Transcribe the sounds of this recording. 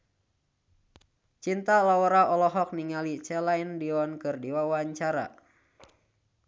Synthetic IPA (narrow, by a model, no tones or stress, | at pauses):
t͡ʃint̪alawɔɾaɔlɔɦɔk̚niŋalit͡ʃɛlaindiɔnkɨrdiwawaɲt͡ʃaɾa̰